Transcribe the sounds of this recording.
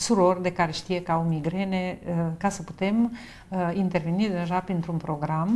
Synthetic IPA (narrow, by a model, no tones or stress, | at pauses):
suɾoɾd̪ekaɾeʃt̪ijekaumiɡɾɛnekasəput̪ɛm | int̪eɾvenid̪eʒapɾint̪ɾunpɾoɡɾam